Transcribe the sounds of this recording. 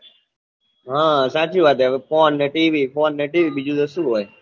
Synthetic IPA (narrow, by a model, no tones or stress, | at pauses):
ɦãːsaːt͡ʃiːʋaːt̪̬ɛpoːnːeːʈiːʋiːpoːnːeːʈiːʋiːɓid͡ʒud̪əsuːɦoːje